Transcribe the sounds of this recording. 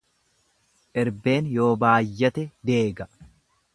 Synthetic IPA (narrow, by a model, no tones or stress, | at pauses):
ʔɛɾbe̞ːnjo̞ːbaːjːɐt̪ɛd̪e̞ːɡɐ